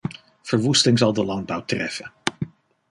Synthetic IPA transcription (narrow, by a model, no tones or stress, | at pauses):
v̥əɹʋustɪŋzɑlˠdəlɑŋ̚bʌwtrɛ̰fən